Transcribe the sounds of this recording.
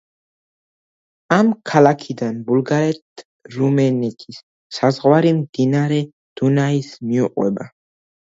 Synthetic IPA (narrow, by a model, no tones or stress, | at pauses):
amkʰalakʰid̪anbulɡaɾɛt̪ʰ | ɾumɛnɛt̪ʼʰisː | azʁwaɾimd̪inaɾɛ | d̪̥unaismiuqʼwɛ̰ba